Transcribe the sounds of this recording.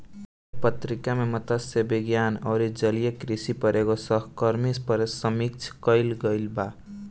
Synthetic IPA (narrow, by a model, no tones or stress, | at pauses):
pət̪ɾikamemət̪əsebiɡjanɔwɾid͡ʒəlijekɾisipəɾeɡosʌɦkəɾmispəɾesəmik̚t͡ʃʰkəɪlɡəɪlba